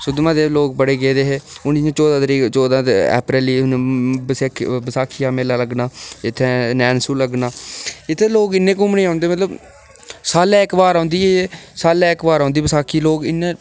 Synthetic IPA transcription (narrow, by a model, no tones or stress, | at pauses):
sʊd̪mãːd̪eːloːk̚bəɽeːɡeːd̪eːɦeːʊnĩːãːt͡ʃɔːd̪ãːt̪ɾiːt͡ʃɔːd̪ãːt̪ɛ̰ːpɾɛːliːnːbəsːkʰbəsaːkʰijaːmeːlaːləɡnaːɪt̪ʰːeːnɛːnsuːləɡnaːɪt̪ʰːeːloːkɪnːẽːkʊmneːãːnd̪eːmət̪ləb | saːlẽːɪkbaːɾãːnd̪iːɦeːsaːlɛ̃ːɪkbaːɾãːnd̪iːbəsaːkʰiːloːkɪnːẽː